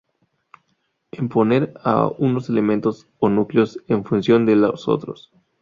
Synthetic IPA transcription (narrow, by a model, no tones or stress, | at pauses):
empo̞ne̞ɾa̰uno̞se̞le̞mẽnt̪o̞s | onukleo̞seɱfunsjo̞nd̪eloso̰t̪ɾo̞̰s